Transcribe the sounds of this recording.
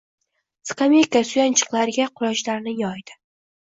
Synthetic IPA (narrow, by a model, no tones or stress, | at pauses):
sɨ̥kamekasʊjant͡ʃʰɨ̥qlˠaɾɪɡʲaqʰʊɾɒʃlaɾnɪjɒjd̪̥ɪ̥